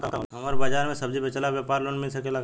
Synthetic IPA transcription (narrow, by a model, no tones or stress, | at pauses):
ɦɐmaɾbaːd͡ʒaːɾmẽsɐbd͡ʒipet͡ʃɐlabjepaːɾloːnmelsɐkelɐɡ